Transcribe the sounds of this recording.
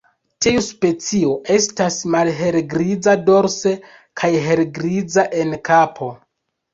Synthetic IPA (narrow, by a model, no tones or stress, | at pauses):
tʰiuspe̞t͡sio̞ʔe̞stasmalɦe̞ɾɡɾid͡zado̞ɾse̞ | kʰajɦe̞lɡɾid͡zaʔe̞nkʰapʰo̞